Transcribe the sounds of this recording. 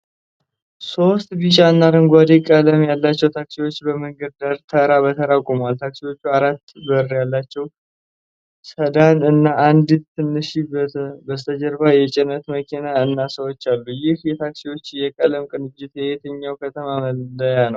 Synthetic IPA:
so̞st̪bit͡ʃʼaɨnːaɾɨŋɡʷad̪ikʼələmjalːat͡ʃːɛwt̪ʰaksiwo̞t͡ʃːbəmɨŋɡədd̪aɾt̪ʰəɾaβət̪ʰəɾakʼumalt̪ʰaksiwo̞t͡ʃːuaɾat̪ːbərːjalːat͡ʃːɛw | səd̪anɨnːaʔːnd̪t̪ʰːɨnːɨʃibəst̪ʰəd͡ʒəɾbajɛt͡ʃʼɪnət̪məkʰinaɨnːasəwot͡ʃːalːujɪhjɛt̪ʰaksiwo̞t͡ʃːjɛkʼələmkʼɨnɨd͡ʒːɪt̪jɛjet̪ʰəɲːawkʰət̪ʰəmaməəjanəw

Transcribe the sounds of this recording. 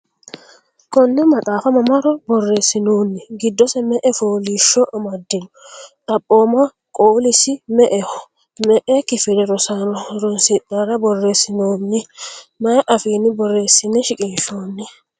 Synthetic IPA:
kɔnːɛmɐtʼaːfɐmɐmɐɾɔbɔrːe̞ːsːɪnoːnːɪɡɪd̪ːɔsɛmɛʔɛfoːliːʃːɔʔɐmɐd̪ːɪnʊt̪ʼɐpʼːoːmɐ | kʼoːlɪsɪmɛʔɛ | mɛʔɛkɪfɪd̪ɛɾɔsanɔɾɔnsɪt̪ːɐɾɐbɔrːeːsɪnoːnːɪmɐjʔɐfiːnːɪbɔrːe̞ːsːɪnːɛʃɪkʼɪnʃoːnːɪ

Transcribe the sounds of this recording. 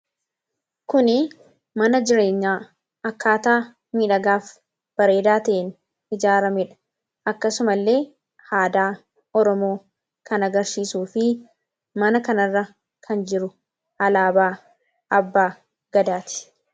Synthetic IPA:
kʊnɪ | mɐnɐd͡ʒɪɾe̞ːɲːaː | ɐkːaːt̪aː | miːᶑɐɡaːf | b̥ɐɾe̞ːd̪aːt̪ɐʔen | ɪd͡ʒaːɾɐmɛᶑɐ̥ | ʔɐkːɐsʊmɐlːe̞ː | haːd̪aː | ɔɾɔmo̞ː | kɐnɐɡɐɾsiːsuːfɪ | mɐnɐkɐnɐrːɐ | kʰɐnd͡ʒɪɾʊ | hɐlaːbaː | ɐbːaː | ɡ̥ɐd̪aːt̪ɪ̥

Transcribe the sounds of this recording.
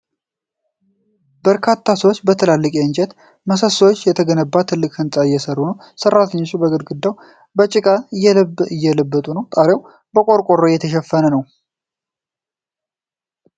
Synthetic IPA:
bəɾkʰat̪ʰːasəwot͡ʃːbət̪ʰəlalːɨkʼiɨnd͡ʒɛt̪ | məsəsəwot͡ʃːjɛt̪ʰəɡənəbːat̪ʰːɨlːɨkhɨnsʼaɪjːɛsərːunəw | sərːat̪ʰəɲːot͡ʃːubəɡɨd̪ɡɨd̪ːaw | bət͡ʃʼɪkʼa | jːɛləbːət̪ʼunəwt̪ʼaɾew | bəkʼoɾkʷʼoɾːojːɛt̪ʰəʃɛfːənənəw

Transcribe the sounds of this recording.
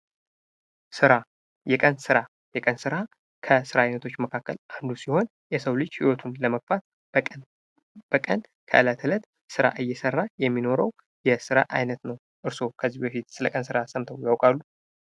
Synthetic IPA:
sɨɾa | jɛkʼənsɨɾa | jɛkʼənsɨɾa | kʰəsɨɾainət̪ʰo̞t͡ʃːməkʰakːə̰lʔand̪usiho̞n | jɛsəwlɨd͡ʒhiwɔt̪ʰunləməɡfat̪̚ | b̥əkʼən | kʰə̰ʔɨlat̪ʰɨlət̪ | sɨɾa̰ʔɨjːɛsərːajɛmːino̞ɾəw | jɛsɨɾa̰ʔa̰jnət̪nəw | ʔɨɾso̞kʰəzːibəfit̪sɨləkʼənsɨɾasəmt̪ʰəwjawkʼalːu

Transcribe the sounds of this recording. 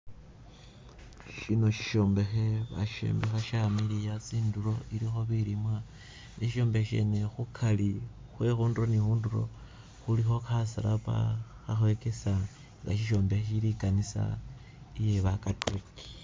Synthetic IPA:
ʃinoʃi̥ʃo̞ːmbe̞xe̞βa̰ʃḛːmbexaʃamilijat͡siːnduɾo̞ʔiɾixo̞βiɾimwa | neʃiʃo̞ːmbexʃe̞̰ne̞xukʰali | xwe̞xuːnduɾonixuːnduɾo̞̰ | xulixo̞xasaɾapa̰ | xaxwe̞kesa | ŋɡa̰ʃiʃo̞ːmbexeʃiɾikanisa̰ | ije̞βakatʰuk

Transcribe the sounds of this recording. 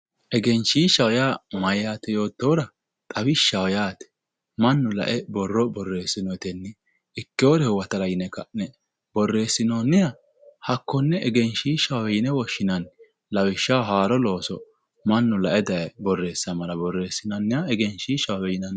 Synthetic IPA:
ʔɛɡɛnʃiːʃɐwjaːmɐjaːt̪ɛjo̞ːt̪ːowɾɐ | t̪ʼɐwɪʃɐwjaːt̪ɛ̥ | mɐnːʊlɐ̰ʔɛbɔrːɔbɔrːe̞ːsːɪnɔjt̪ɛnːɪ | ɪkːɪoɾɛhʊwɐt̪ɐlɐjɪnɛkɐʔnɛ | bɔrːe̞ːsːɪnoːnːɪjɐ | hɐkːɔnːɛɛɡɛnʃiːʃɐwɛjɪnɛwɔʃːɪnɐn | lɐwɪʃːɐwɦaːɾɔlo̞ːsɔ | mɐnːʊlɐʔɛd̪ɐʔɛbɔrːe̞ːsːɐmɐlɐbɔrːe̞ːsːɪnɐnːɪjɐɛɡɛnʃiʃɐwjɛjɪnɐn

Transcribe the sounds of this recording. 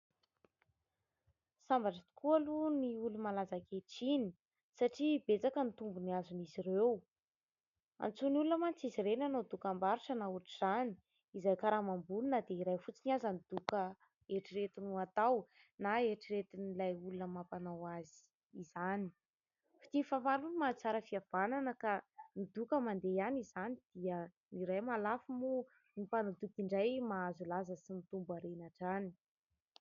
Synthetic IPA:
sambaʈ͡ʂət̪u̥kʰualuniulumalazakeʈ͡ʂini | saʈ͡ʂibet͡sakənit̪umbuniazunizirew | a̰nt͡sunulunəmant͡siziɾenanod̪ukambaɾiʈ͡ʂənauʈ͡ʂiz̥ani̥ | izajkaɾamambulunəd̪eiɾajfut͡siniazanid̪̥ukə | eʈ͡ʂiɾet̪inuat̪aw | naeʈ͡ʂiɾet̪inilajulunəmapanawazi̥ | iz̥ani̥ | fi̥t̪ifamaɾunmat͡saɾəfiav̥ananəkanid̪ukəmand̪eanizanid̪̥iə | niɾajmalafimu | nipanad̪ukiɳɖ͡ʐajmaazulazəsimit̪umbaɾenaʈ͡ʂani̥

